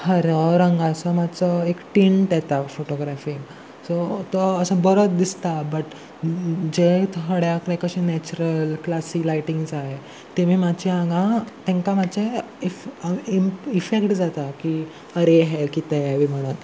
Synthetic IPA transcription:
həɾəɾə̃ŋɡãsəmat͡səekʈiɳʈjɛt̪afoʈoɡɾafiŋɡ | sot̪əːsə̃bəɾət̪̚d̪ist̪abəʈ | d͡ʑet̪ɦəɽjakəɾẽkəɕinɛt͡ɕɾəlklasiːlajʈĩŋɡsaɦe | t̪emiːmat͡ɕiãŋɡãt̪ẽŋkamat͡ɕe | fiifekʈd͡zat̪aki | əɾeɦɛkit̪eʋim̤əɽ̃uːn

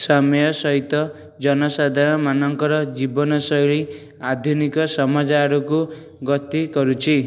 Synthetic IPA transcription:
sɔmjɔsɔɦit̪ɔ | d͡ʒɔnɔsad̪ʱaɽ̃ɔmanɔŋkɔɾɔd͡ʒibɔnɔsɔjɭi | ad̪ʱjunikɔsɔmad͡ʒaɾuku | ɡɔt̪ikɔɾut͡ʃʰi

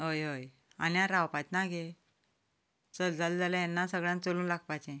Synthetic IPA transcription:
ɦojɦoj | a̰niaɾawpajt̪naɡe | t͡səld͡zʱald͡zalajanːasəɡɭjãnt͡solũːnlaɡ̚pajt͡ɕẽ

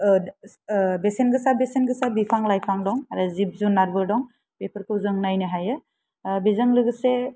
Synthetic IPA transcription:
besenɡɯsabesenɡɯsabipʰaŋlajpʰaŋdɔŋaɾɯzip̚zunːaɾbɯɾdɔŋ | pepʰɯɾkʰɯzɯŋnajnɯɦajɯ | bizɯŋlɯɡɯse

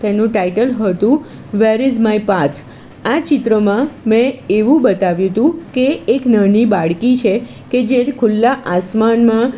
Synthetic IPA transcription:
t̪enũʈajʈəlɦət̪ũ | ʋeɾɪzmajpat̪ʰ | at͡ʃɪt̪ɾəmãmɛ̃eʋũbət̪aʋjũt̪ũkeːknənibaɭkit͡ʃʰe | ked͡ʒeɾkʰʊlːaʔasmanmã

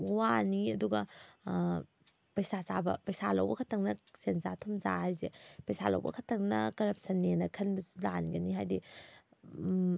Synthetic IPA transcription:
waniɐduɡɐ | pɐjsasabɐ̰pɐjsalɐ̰wbɐkʰɐtʰɐŋnɐsenzatʰumzahajzepɐjsalɐ̰wbɐ̰kʰɐtʰːɐŋnɐ̰kɐɾɐp̚sɐnːenɐkʰɐnbɐzulanɡɐniɦajdi

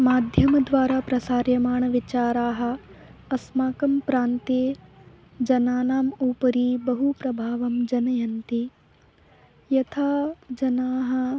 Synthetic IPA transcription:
maːd̪ʱjɐmɐd̪ʋaːɾaːpɾɐsaːɾjɐmaːɳɐʋit͡ʃaːɾaːɦɐ̆ɐsmaːkɐmpɾaːnt̪eː | d͡ʒɐnaːnaːmuːpɐɾiːbɐɦupɾɐbʱaːʋɐmd͡ʒɐnɐjɐnt̪i | jɐt̪ʰaːd͡ʒɐnaːɦɐ̆

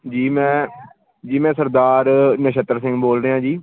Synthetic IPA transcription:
d͡ʒiːmɛ̃ː | d͡ʒiːmɛ̃ːsəɾd̪aːɾnəʃət̪əɾsɪ̃ŋɡboːlɾeːɦãːd͡ʒiː

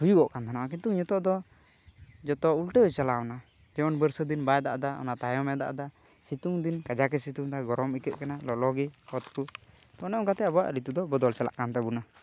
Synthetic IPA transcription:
hujuʔɔʔkant̪ʰanawakit̪uŋɲɔt̪ɔʔd̪ɔ | d͡ʒɔt̪ɔulʈət͡ʃalaɔna | d͡ʒɛɔnbəɾsɔd̪inbajd̪a̰ʔd̪aɔ̰nat̪ajɔmɛd̪a̰ʔd̪a | sit̪uŋd̪inkad͡ʒakɛsit̪uŋd̪aɡɔɾɔmikɛt̪̚kanalɔlɔɡɛɔt̪̚ku | t̪ɔnɛʔɔŋkat̪ɛabɔwa̰ʔɾit̪ud̪ɔbɔd̪ɔlt͡ʃala̰ʔkant̪ɛbuna

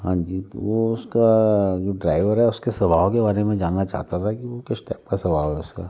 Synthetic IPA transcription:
ɦãːɲd͡ʒiːt̪o̰ʋoʊskad͡ʒoɖɾaːɪʋəɾɦɛʊskesɐbaːʋokebaːɾemẽd͡ʒaːnnːat͡ʃa̰ːɦt̪at̪ʰakiʋokesʈɛːp̚kasɐbaːʋɦɛʊskaː

